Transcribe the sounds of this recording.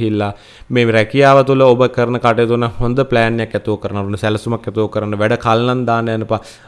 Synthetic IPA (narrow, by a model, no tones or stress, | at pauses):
ɦilːa | meːɾɛkijaːʋət̪uləobəkəɾnəkaʈejt̪unəhond̪əplæːnːejakjæt̪uokəɾanːəond̪əsɛlsumakjɛt̪uokəɾanːəʋæɖəkalnand̪aːnəjanəpa